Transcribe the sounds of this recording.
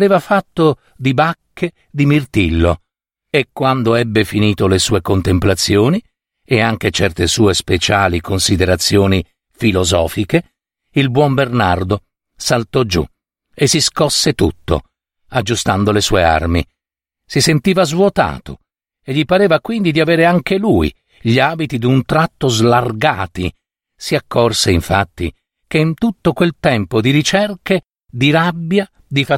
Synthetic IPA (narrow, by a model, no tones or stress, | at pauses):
ɾeːvafat̪ːo | d̪ibakːe | d̪imirt̪ilːo | ekːwand̪oɛbːefiniːt̪olesuːekont̪emplat̪sːjoːni | eaŋk̟et͡ʃɛrt̪esuːespet͡ʃaːlikonsid̪eɾat̪sːjoːni | filozɔːfike | ilbwɔmbernard̪o | salt̪ɔd͡ʒṵ | esiskɔsːet̪ut̪ːo̰ | ad͡ʒːust̪and̪olesuːḛa̰rmḭ | sisent̪iːvazvwot̪a̰ːt̪ʰo̰ | eʎipaɾeːvakwind̪id̪iaveːɾeaŋkeluḭ | ʎiaːbit̪id̪unt̪ɾat̪ːozlarɡaːt̪ḭ | siakːorseiɱfa̰t̪ːḭ | keint̪ut̪ːokwelt̪ɛmpod̪iɾit͡ʃɛrke | d̪iɾabːja | d̪ifa